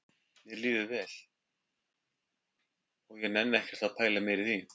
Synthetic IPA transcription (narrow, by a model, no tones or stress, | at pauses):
mjɛliːðʏvɛːl̥ | ɔɣjɛɣnɛnːɛhcɛɾ̥t̪aðpʰaːjlamɛɾɪθin